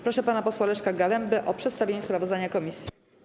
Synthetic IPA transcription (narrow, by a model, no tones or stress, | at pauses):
pɾɔʂɛpanapɔswalɛʂkaɡalɛmbɘʔɔpʂɛt̪st̪avʲjeɲɛspɾavɔzd̪aɲakɔmʲisʲji